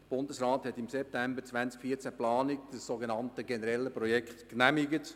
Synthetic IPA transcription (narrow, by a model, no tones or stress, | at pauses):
əb̥ʊndəsɾaːthɛtɪmsɛp̚tɛmbəɾt͡sʋænt͡skfiːt͡sæplɑːnɪkd̥əsːoɡenɑntəɡenəɾɛlːəpɾɔjɛkχtknæmiɡət